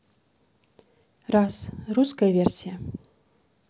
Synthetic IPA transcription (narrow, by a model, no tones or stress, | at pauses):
rasruskɐjəvʲersʲijə